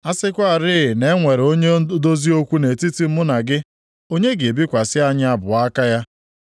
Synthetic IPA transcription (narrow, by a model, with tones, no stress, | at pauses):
a˦sɪ˦kʷa˦˨ɾɪ˦ɪ˨ne˦ŋʷe˨ɾo˦ɲe˦do˦zi˦o˦kʷu˦ne˨ti˦ti˦m̩˦mʊ˦na˨ɡɪ˦ | o˦ɲe˦ɡe˨e˨bi˦kʷa˨sɪ˦a˦ɲɪ˦a˦bʊ˨a˦ka˦ja˦